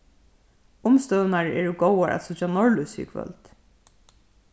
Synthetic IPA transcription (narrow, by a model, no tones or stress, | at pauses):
ʊmst̪œðnaɹɛːɹʊɡowaɹʔa̰t̪sʊt͡ʃanɔɹlʊsḭkʰvœ̰lt̪